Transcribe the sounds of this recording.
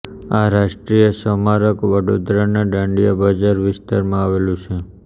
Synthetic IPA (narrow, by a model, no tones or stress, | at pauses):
aɾaʃʈɾijəʃəmaɾəkʋəɽod̪ɾanaɖə̃ɳɖijəbəd͡ʒaɾʋɪst̪aɾmãaʋelũt͡ʃʰe